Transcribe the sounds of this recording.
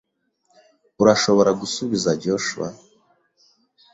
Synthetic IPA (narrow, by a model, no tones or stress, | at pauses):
uɾaʃo̞βo̞ɾaɡusuβizaɟoʃṵa̰